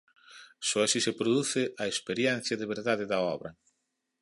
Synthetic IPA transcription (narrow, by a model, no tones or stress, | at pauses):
sɔasisepɾoðuθɪʔɐespeɾjɛn̟θjɐðeβeɾðaðɪðɐɔβɾɐ